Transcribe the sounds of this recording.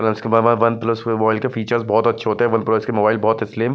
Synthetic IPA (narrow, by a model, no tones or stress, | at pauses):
ɐlɐɪskebɐʋɐnʋɐnplɐsmːaɪlkefiːt͡ʃəɾzbɔːt̪ɐtːʃʰeɦoːt̪eɦɛʋɐnplɐskemoːbaːɪlbɔːt̪ɪslɪːm